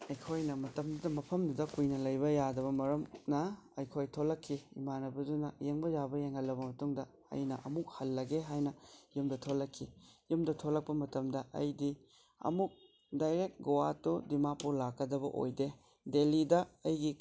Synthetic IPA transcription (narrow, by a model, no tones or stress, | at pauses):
ɐjkʰojnɐmɐtɐmdudɐmɐpʰɐmdudɐkujnɐlɐjbɐjadɐβɐmɐɾɐmnɐɐjkʰojtʰolːɐkʰːiḭmanɐbɐdunɐjeŋbɐd͡ʒabɐjeŋhɐlːɐbɐmɐtuŋdɐ | ɐ̰jnɐʔɐ̰muk̚hɐlːɐɡeɦajnɐjumdɐtʰolɐkʰːijumdɐtʰolɐk̚pɐmɐtɐmdɐʔɐ̰jdi | ɐ̰muk̚ | dajɾek̚t̚ɡowatudimapuɾlakːɐdɐbɐ̰ʔo̰jde | delidɐɐjɡi